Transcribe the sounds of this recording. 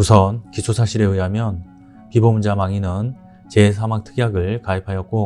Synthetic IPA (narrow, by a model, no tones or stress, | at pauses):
musʰʌnkit͡ɕʰosʰaɕʰiɾeɯjɦamjʌn | pibomund͡ʑamaŋinɯn | t͡ɕe̞sʰamaŋtʰɯ̥ɡjaɡɯɭkaipʰajʌt̚k͈o